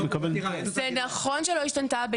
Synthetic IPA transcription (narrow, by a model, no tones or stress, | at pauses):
mekabelzenaχo̞nʃelo̞iʃtantabe